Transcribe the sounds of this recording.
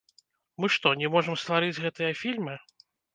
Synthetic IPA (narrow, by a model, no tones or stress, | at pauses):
mɨʂt̪ɔnʲɛmɔʐɐmst̪vaɾɨd͡zʲɣɛt̪ɨjɐfʲilʲmɨ